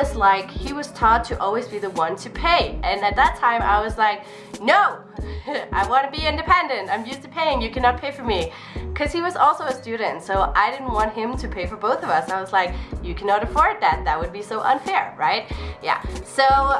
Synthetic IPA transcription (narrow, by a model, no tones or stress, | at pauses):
ʌzlaɪkhiwʌz̥tʰɔt̚ʰɨʔɔlˠwizbiðəwʌ̃ntʰɨpʰeɪɨ̃nɨt̪̚ðətʰãɪ̃ma̰ɪwʌzlaɪk̚ | noʊ | ʔaɪwɑ̃nɨbiɪ̃ndɨpʰɛ̃ndɨ̃ntãɪ̃mjʉstɨpʰeɪɪ̃ŋjɨkʰænɑt̚pʰeɪfə˞mi | kʰʌz̥iwʌzɔlˠsoʊɨstʉd̃ⁿn̩tsoʊʔaɪɾɪdⁿn̩ʔ̚wɑ̃nt̚ɦɪ̃mtʰɨpʰeɪfə˞boʊθʌvʌsaɪwʌzlaɪkjɨkʰænɑɾɨfɔɹd̪̚ðɨt̪̚ðɨt̚wɨd̚bisoʊʔʌ̰̃nfɛɹɹaɪt̚jæ̰soʊ